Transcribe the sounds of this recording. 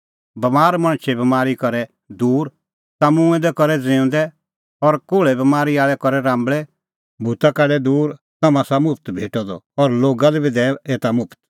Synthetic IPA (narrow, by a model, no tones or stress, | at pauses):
bɐmaːɾmɐ̃ɽ̃t͡ʃʰɛbɐmaːɾikɔɾɛ | d̪uːɾ | t̪amũɛ̃d̪ɛkɔɾɛd͡zɪ̃ʊ̃nd̪ɛ | ɔɾkoːɭɛbɐmaːɾiaːɭɛkɔɾɛɾãːmbɭɛ | bʱut̪akaɖɛd̪uːɾ | t̪ɐmãsamʊpʰt̪bʱeːʈɔd̪ɔ̰ɔɾloːɡad̪ɛbʱid̪ɛeːt̪amʊpʰt̪